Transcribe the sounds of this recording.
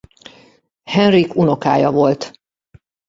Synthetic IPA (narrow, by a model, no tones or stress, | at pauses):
hɛnrikuno̞kaːjɒvo̞lt̪